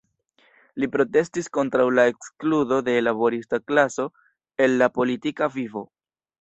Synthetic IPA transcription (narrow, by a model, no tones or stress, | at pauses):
lipɾo̞te̞stisko̞ntɾawlae̞kskludo̞de̞labo̞ɾistaklaso̞ | e̞lːapo̞litikavivo̞